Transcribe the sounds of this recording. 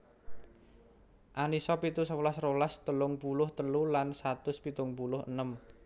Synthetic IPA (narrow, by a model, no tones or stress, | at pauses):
ʔanisɔpit̪usəwlasrolast̪əlʊŋpulʊht̪əlulansat̪ʊspit̪ʊŋpulʊhə̰nəm